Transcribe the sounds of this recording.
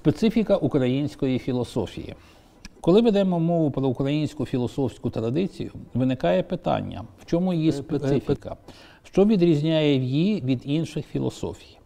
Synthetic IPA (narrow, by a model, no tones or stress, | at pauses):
spet̪sɪfʲikɐʔukɾɐjinʲsʲkɔjifʲilˠɔsɔfʲḭjḭ | kɔlˠɪʋed̪ɛmɔmɔʋʊpɾɔukɾɐjinʲsʲkʊfʲilˠɔsɔwsʲkʊt̪ɾɐd̪ɪt͡sʲḭjʊʋɪnɪkɑjɛpɪt̪ɑ̰nʲːɐ̰wt͡ʃɔmujispeɪfʲikɐ̰ | ʃt͡ʃɔʋʲid̪ɾʲizʲnʲajɛwjiʋʲid̪inʃɪxfʲilˠɔ̰sɔ̰fʲi̥j